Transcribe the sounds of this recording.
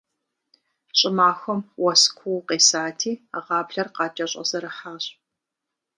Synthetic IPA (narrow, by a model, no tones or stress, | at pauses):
ɕʼɪmaːxʷɐmwɐskʷʰuwqeːsaːtʰiːʁɑːpɬɐrqɑːt͡ʃʼɐɕʼɐ̰zɐɾɨħaːɕʼ